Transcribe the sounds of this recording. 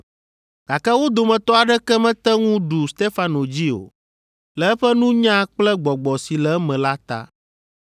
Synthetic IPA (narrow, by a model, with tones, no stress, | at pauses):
ɡ̥a˨kɛ˦wo˦d̪o˨mɛ̃˨t̪ɔ˦a˨ɖɛ˦kɛ˦mɛ̃˦t̪ɛ˦ŋũ˦ɖu˨st̪e˦fa˦no˨d͡ʑi˦o̰˨ | lɛ˨ɛ˦ɸɛ˦nũ˦ɲã˦k͡plɛ˦ɡ͡bɔ˨ɡ͡bɔ˨si˨lɛ˨˦mɛ̃˨la˦t̪a̰˦